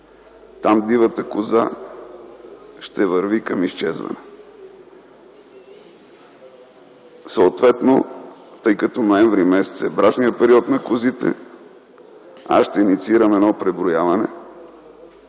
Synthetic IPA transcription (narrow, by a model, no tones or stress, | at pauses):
t̪amd̪ivət̪əkʊza̰ | ʃt̪ɛvəɾvikəmist͡ʃɛzvɐ̰nɛ | səot̪vɛt̪not̪ɤjkɐt̪ɔnoɛɱvɾimɛsɛ̥t̪sɛbɾat͡ʃniəpɛɾiɔt̪nɐkʊzit̪ɛ̰ | a̰ʃt̪ɛinit̪siiɾəmɛd̪nɔpɾɛbɾojavɐnɛ̰